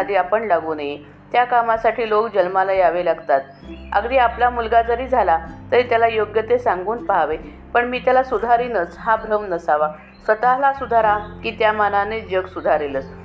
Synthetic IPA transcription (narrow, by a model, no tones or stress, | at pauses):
d̪ʱiːapəɳlaɡuːnaji | t̪jakamasaʈʰiːlokd͡ʑəlmalajaʋelaɡt̪at̪̚ | ə̰ɡd̪iːaplamulɡad͡zəɾiːd͡zʱalat̪əɾit̪jalajoɡjət̪esãŋɡuːnpaɦaʋe | pəɳmiːt̪jalasud̪ʱaɾiːnət͡sɦabʱɾəmnəsaʋa | sət̪alasud̪ʱaɾakiːt̪jamananed͡ʑəɡsud̪ʱaɾelət͡s